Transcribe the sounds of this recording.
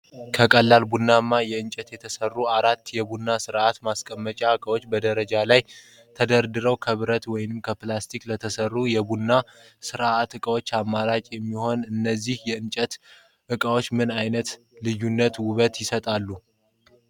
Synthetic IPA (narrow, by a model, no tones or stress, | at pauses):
kʰəkʼəlːalbunːamːajɛɨnt͡ʃʼɛt̪jɛt̪ʰəsərːuaɾat̪ːjɛbunːasɨɾat̪maskʼəmːət͡ʃʼaɨkʼəwo̞t͡ʃːbəd̪əɾəd͡ʒalaj | t̪ʰəd̪əɾd̪ɨɾəwkʰəβɨɾət̪wɔjɪnɨmkʰəplast̪ʰikʼlət̪ʰəsərːujɛbunːa | sɨɾat̪ɨkʼəwo̞t͡ʃːamːaɾat͡ʃʼjɛmːiho̞nɨnːəzːihjɛɨnt͡ʃʼət̪ | ʔɨkʼawo̞t͡ʃːmɨnajnət̪ | lɨjunːət̪wʊβət̪jɪsət̪ʼalːu